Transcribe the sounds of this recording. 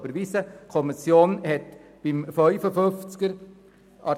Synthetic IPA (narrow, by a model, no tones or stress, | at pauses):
bəɾʋiːsəkʰɔmisjoːnhɛtb̥ɪmfœʏfəfʏft͡skəɾ | ʔɑ